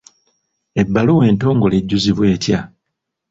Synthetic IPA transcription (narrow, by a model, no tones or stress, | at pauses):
e̞bːaluwe̞ːnto̞ːŋɡo̞le̞ɟːuziβwe̞ːtja